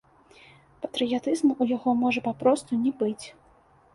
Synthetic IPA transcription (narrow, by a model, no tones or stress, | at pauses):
pɐt̪ɾɨjat̪ɨzmuʔujaɣɔmɔʐɐpapɾɔst̪unʲɛbɨt͡sʲ